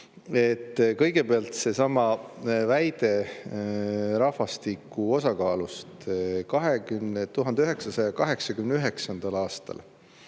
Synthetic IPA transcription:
e̞t̪ːkɤ̞jɡe̞peɑlt̪se̞sɑmɑvæjd̪̥e̞ | ɾɑhvɑst̪ikːuo̞sɑkɑːlust̪kɑɦekymnet̪uɦɑnd̪eyɦe̞ksɑsɑjɑkɑɦe̞ksɑkymneyɦe̞ksɑnd̪̥ɑlɑːst̪ɑ̰l

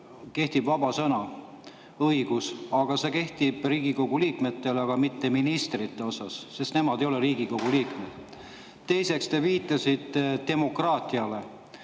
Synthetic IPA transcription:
ke̞ht̪ibvɑbɑsɤnɑ | ɤjɡ̥usɑɡ̥ɑse̞ke̞ht̪ib̥riːɡiko̞ɡ̥uliːkme̞t̪ːe̞lɑɡ̥ɑmit̪ːe̞minist̪rit̪ːe̞o̞sɑsːe̞st̪ne̞mɑd̪ejo̞leɾiːɡ̥iko̞ɡ̥uliːkmed̪̥ | t̪ːe̞jse̞kst̪eviːt̪ːˑɑsid̪̥ːe̞mo̞krɑːt̪ˑiɑle

